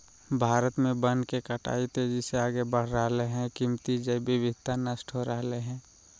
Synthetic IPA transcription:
bʱaːɾət̪mẽbənkekəʈa̰ːit̪eːd͡ʒiseaːɡebəɽ̤ɾəɦleɦɛ̃kɪmt̪id͡ʒəibɪbɪd̪̚ʱt̪anəsʈʰɦoɾəɦleɦɛ̃ː

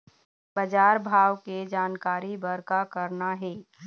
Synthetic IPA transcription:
bɐd͡ʒaːɾbʱaːʋked͡ʒaːnkaːɾibɐɾkakɐɾnaɦɛː

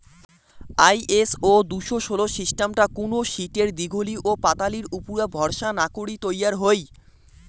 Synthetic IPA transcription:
ajʔesod̪uʃoʃoloʃiʃʈamʈakonoʃiʈeɾd̪iɡʱoliʔopat̪aliɾupuɾabʱɔɾʃanakoɽit̪ojaɾɦoj

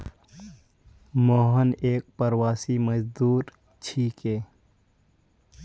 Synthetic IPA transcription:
mɔːɦəneːk̚pəɾwaːsiməd͡ʒd̪uːɾ | t͡ʃʰiːkeː

